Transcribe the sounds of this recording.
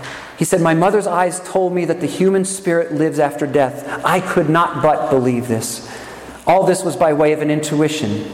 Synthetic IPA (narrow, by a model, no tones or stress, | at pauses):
hisɛd̚maɪmʌðə˞zaɪz̥tʰoʊlˠd̚miðɨt̪̚ðɨhjʉmɨ̃nspɪɹɨtˡlɪvzæftə˞dɛθaɪkʰɨdⁿnət̚b̥ʌt̚b̥əlivðɪs | ɔlˠðɪswʌzbaɪweɪʌvɨ̃nɪ̃ntʰʉɪʃɨ̰̃n